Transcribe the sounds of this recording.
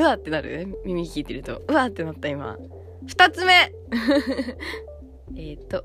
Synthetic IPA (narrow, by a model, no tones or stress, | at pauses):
ɯ̟at̪ːe̞naɾɯ̟̰emʲimʲikʲiːt̪e̞ɾɯ̟t̪o̞̰ɯ̟at̪ːe̞nat̪ːaima̰ | ɸɯ̥t̪at͡sɨme̞ | et̪ːo